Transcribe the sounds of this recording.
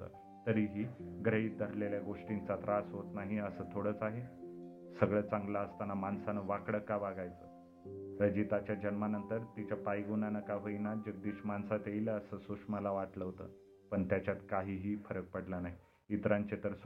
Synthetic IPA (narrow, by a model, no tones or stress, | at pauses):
ə̰ | t̪əɾiːɦiːɡɾəɦiːt̪̚d̪ʱəɾleljaɡoʂʈint͡sat̪ɾasɦot̪naɦiəsəːt̪ʰoɽət͡saɦe | səɡɭət͡sãŋɡlaəst̪anamansanəʋakɽəkaʋaɡajt͡sə | ɾəd͡ʑiːt̪at͡ɕjad͡ʑənmanənt̪əɾt̪it͡ɕjapajɡunanakaʋəinad͡ʑəɡ̚d̪iːɕmansat̪eiləəsəːsukʂmalaʋaʈləɦot̪ə̰ː | pəɳt̪jat͡ɕjat̪kaɦiːɦiːfəɾək̚pəɽlanaɦi | it̪ɾaɲt͡ɕet̪əɾs